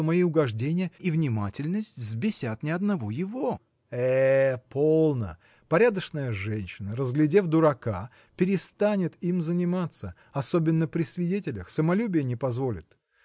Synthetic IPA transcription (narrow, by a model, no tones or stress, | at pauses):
omɐiʊɡɐʐdʲenʲɪjəivnʲɪmatʲɪlʲnəsʲtʲvzbʲɪsʲat̪nʲɪɐd̪nɐvojɪvo̞ | ɛpʰolˠnə̰ | pɐɾʲad̪əʂnəjəʐɛnʲɕːɪnəɾəzɡlʲɪdʲe̞vd̪ʊɾɐka | pʲɪɾʲɪst̪anʲɪt̪imzənʲɪmat̪sə | ɐso̞bʲɪnːəpɾʲɪsʲvʲɪdʲetʲɪlʲəxsəmɐlʲubʲɪjənʲɪpɐzvo̞lʲɪ̰t̪